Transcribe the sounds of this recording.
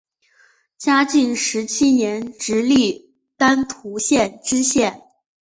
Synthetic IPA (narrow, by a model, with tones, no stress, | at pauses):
t͡ɕja˥t͡ɕi˥˩ŋʂɻ̩˧˥t͡ɕʰi˥njɛ˧˥nʈ͡ʂɻ̩˧˥li˥˩ | t̪a˥nt̪ʰu˧˥ɕjɛ˥˩nʈ͡ʂɻ̩˥ɕjɛ˥˩n